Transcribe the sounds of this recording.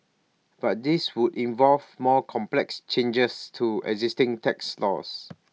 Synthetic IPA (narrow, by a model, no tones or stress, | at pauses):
b̥at̚diswudĩnvɔlvmɔkʰɔ̃mplɛkst͡ʃẽnd͡ʒəstʰuɛ̰ɡzistɪ̃ŋtʰɛkslɔ̰s